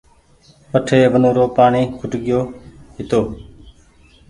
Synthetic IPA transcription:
pəʈʰeːʋənũːɾoːpaːɳiːkʰʊʈɠɪjoːɦɪt̪oː

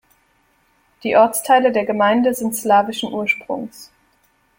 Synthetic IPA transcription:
d̥iːʔɔɐt͡stʰaɪlədeːɐɡəmaɪndəzɪntslaːvɪʃn̩ʔuːɐʃpʁ̥ʊ̰ŋs

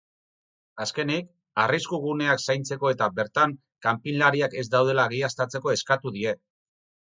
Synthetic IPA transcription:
aske̞nik | ariskuɣ̞une̞aksajnt͡se̞ko̞e̞t̪abe̞ɾt̪aŋ | kampinlaɾiake̞zd̪awð̞e̞laɣejast̪at͡se̞ko̞e̞skat̪uðie̞

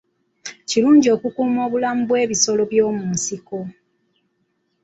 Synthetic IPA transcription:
ciluːɲɟio̞ːkukuːmo̞ːβulamubwe̞ːβiso̞lo̞βjo̞ːmusiko

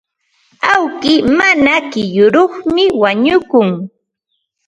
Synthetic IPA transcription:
awkɪmanakɪjʊɾoχmɪwaɲʊkʊŋ

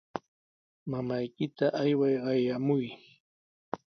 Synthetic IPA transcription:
mamajkɪt̪aʔajwajɢɑjamʊj

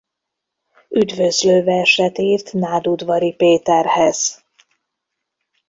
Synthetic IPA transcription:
yd̪vø̞zløːvɛʃɛt̪iːrt̪naːd̪ud̪vɒɾipeːt̪ɛrhɛz̥

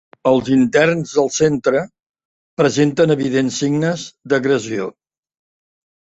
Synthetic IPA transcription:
əlˠzint̪ɛrnzðəlˠsent̪ɾə | pɾəzent̪ənəβiðensiɡnəzd̪əɣɾəzio

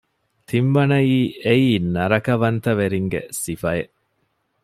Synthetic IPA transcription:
t̪ʰimʋɐnɐiːeiːnɐɾɐkɐʋɐnt̪ɐʋeɾiŋɡḛsifɐjeʔ

